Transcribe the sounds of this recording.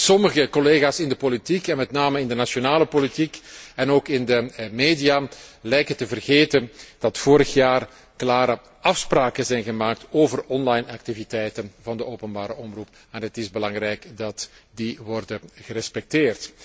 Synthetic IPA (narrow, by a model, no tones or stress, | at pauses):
sɔməɣəkoleːɣaːsɪndəpolitikɛnmɛtnaːməɪndənasonaːləpolitikɛnoːkɪndəmeːdijalɛjkətəvərɣeːtənd̥ɑtfoːɾəxjaːr | klaːɾə | ɑfspraːkənzɛjnɣəmaːk̚toːvərɔnlɑjnɑk̚tivitɛjtənvɑndəoːwpənbaːɾəʔɔmrup | ɛnɦətɪzbəlɑŋrɛjkdɑtdiʋɔrdəɣəɾɛspɛk̚tɪːrt